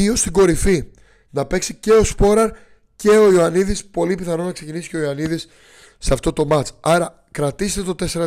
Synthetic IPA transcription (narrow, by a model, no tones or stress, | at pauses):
io̞st̪iɡo̞ɾifi | nɐpe̞ksice̞o̞spo̞ɾɐɾ | ce̞o̞ioɐniðispo̞lipiθɐno̞nɐkse̞cinisi̥ceo̞oɐniðisː | eɐft̪o̞t̪o̞mɐt͡sɐɾɐ | kɾɐt̪ise̥t̪et̪o̞t̪e̞se̞ɾɐ